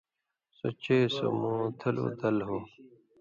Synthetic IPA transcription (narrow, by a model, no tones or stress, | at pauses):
sot͡ɕeːso̰mũːt̪ʰɐlṵːd̪ɐlɦoː